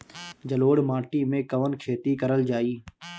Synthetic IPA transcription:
d͡ʒəloːɽmaːʈiːmẽkəʋənkʰeːt̪ikəɾəld͡ʒaːiː

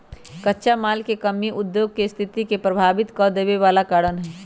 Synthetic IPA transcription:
kɐtːʃamaːlkekɐmːiʔʊd̪joːɡ̚kest̪ʰɪt̪ikepɾɐbʱaːʋɪt̪kɔːd̪eːʋeʋaːlakaːɽənɦɛː

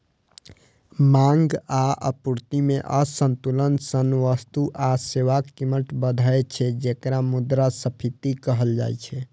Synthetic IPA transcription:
mãŋɡaə̰puɾt̪imeʔəsənt̪ulənsənʋəst̪uʔaseʋakːiməʈbəd̪ʱaet͡ʃʰɛd͡ʒekɾamud̪ɾasəpʰit̪ikəɦəld͡ʒa̰jt͡ʃʰɛ

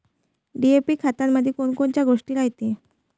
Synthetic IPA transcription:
ɖiepikʰat̪aɾmad̪ʱːekonkont͡ɕaɡoʂʈiɾaɦjt̪e

